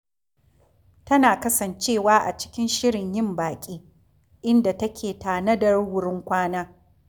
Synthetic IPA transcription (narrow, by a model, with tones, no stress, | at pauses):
tɐ˦naː˨kɐ˦sɐ˨nt͡ʃeː˦˨waː˦ʔa̰˨t͡ʃɪ̥˦kʲɪ˦nʃɪ˦ɽɪ˨ɲjɪ˦˨mbaː˨kʲʼiː˦ | ʔɪ˦nda˨tɐ˦kʲʰeː˨taː˨nɐ˦dɐ˨rwʊ˦ɽɪ˦ŋkʷaː˦naː˦